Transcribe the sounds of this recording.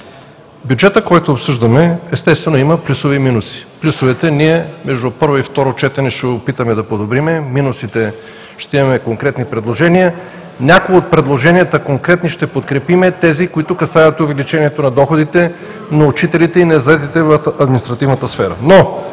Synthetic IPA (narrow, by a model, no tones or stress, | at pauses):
bjud͡ʒɛt̪əkɔjt̪oːpsɤʒd̪əmɛɛst̪ɛst̪vɛnoiməplʲusoviminusi̥plʲusovɛt̪ɛniɛmɛʒd̪ʊpɤɾvoift̪ɔɾot͡ʃɛt̪ɛnɛʃɛopit̪əmɛd̪ɐpod̪obɾimɛminusit̪ɛ | ʃt̪ɛimɐmɛkoŋkɾɛt̪nipɾɛd̪lˠoʒɛniə | nʲakoɡoot̪̚pɾɛd̪lˠoʒɛniət̪əkoŋkɾɛt̪niʃt̪ɛpot̪kɾɛpimɛt̪ɛzikoit̪ʊkɐsajət̪ʊvɛlit͡ʃɛniɛt̪onɐd̪ɔxod̪it̪ɛ | nɐut͡ʃit̪ɛlit̪ɛinɛzɐɛt̪̬it̪ɛvɐfɐd̪minist̪ɾɐt̪ivnət̪əsfɛɾə̰no